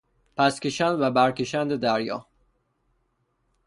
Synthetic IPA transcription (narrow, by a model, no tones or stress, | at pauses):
pʰæskʲeʃænd̪væbæɾkʲeʃænd̪ed̪æɾjɒ̰ː